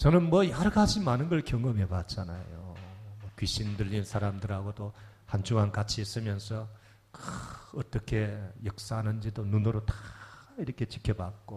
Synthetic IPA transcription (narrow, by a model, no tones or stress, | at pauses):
t͡ɕʌnɯnmwʌjaɾɡad͡ʑʰimanɯnɡʌɭkjʌŋʌmɦebat̚t͡ɕ͈ana̰jo̰ | kɥiɕ͈ʰindɯʎːinnsʰaɾamdɯɾɦaɡoto | hand͡ʑuŋɦankat͡ɕʰies͈ɯmjʌnsʰʌ | kɯʌt͈ʌkʰe̞jʌk̚s͈aɦanɯnd͡ʑidonunoɾotaiɾʌkʰe̞t͡ɕi̥kʰjʌbak̚k͈o